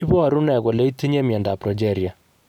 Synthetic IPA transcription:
i˦bɔ˦a˨ɾu˦nɛ˨kɔ˨le˦i˦ti˦ɲe˦mjɛ˨nda˨pɾɔ˨d͡ʒɛ˦˨ɾja˨

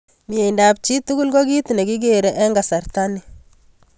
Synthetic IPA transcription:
mi˨e˨jndap̚t͡ʃi˦tu˦ɡu˦lɡo˦ɡi˦tne˨ɡi˦ɡe˨ɾɛ˦ʔɛ˦ŋɡa˨sa˨ɾta˦ni˨

